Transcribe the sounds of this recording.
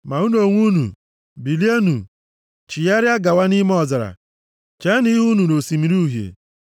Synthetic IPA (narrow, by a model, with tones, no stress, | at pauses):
ma˨u˦no˨ŋʷu˦nṵ˨ | bi˨li˦e˦nṵ˨ | t͡ʃi˨ja˦ɾja˦ɡa˨wa˦ni˦m˦ɔ˨zɪ˨ɾa̰˨ | t͡ʃɛ˦ni˦ɦu˦nu˨no˨si˨mi˨ɾu˦ɦjḛ˨